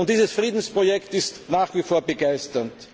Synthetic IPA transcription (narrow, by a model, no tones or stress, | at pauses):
ʊntd̥iːzəsfʁiːdn̩spʁ̥ojɛktɪstnaːχv̥ifoːɐbəɡaɪstɐnt